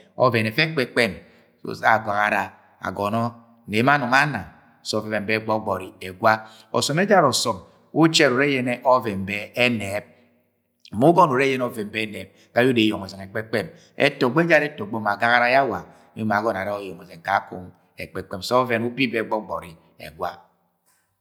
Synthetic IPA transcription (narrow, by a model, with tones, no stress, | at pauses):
o̰˦ve˨ne˨fe˦k͡pe˨k͡pe˦˨m̰˦ | a˨ɡa˨ɣa˨ɾa˨ | a̰˨ɡɔ˨nɔ˦˨ | ne˨˦ma˦nɔ˨ŋa˦na˨ | sɔ˦ve˦ve˨mbe˦ɡ͡bɔ˦ɡ͡bɔ˨ɾi˨e˨ɡwa˦ | ɔ̰˨sɔ˨me˦d͡ʒa˦ɾɔ˨sɔ˨m | u˦t͡ʃe˦˨ɾo˨ɾe˦je˦ne˦ʔo˦ve˨m˨be˦e˦ne˨˦p̩̚˨ | mu˦ɡɔ˦n˨o˨ɾe˦je˦n˦ɔ˦ve˨m˦be˦ne˨˦p̚ | ka˦ju˦de˨jo˨ŋo˨ze˨ŋe˨k͡pe˦k͡pe˦m | ḛ˦to˨ɡ͡be˦d͡ʒa˦ɾe˦tɔ˨ɡ͡bo˦ma˨ɡa˦ɣa˦ɾa˦ja˦wa˨˦ | i˦ma˨ɡɔ˦na˨ɾa˦o˦jo˨o˨ze˨ŋ˨ka˦kṵ˦ŋ | ḛ˨k͡pe˨k͡pe˦m˨sɔ˦ve˦nu˦bi˦be˦ɡ͡bɔ˦ɡ͡bɔ̰˨ɾi˨ | ḛ˨ɡwʷa˦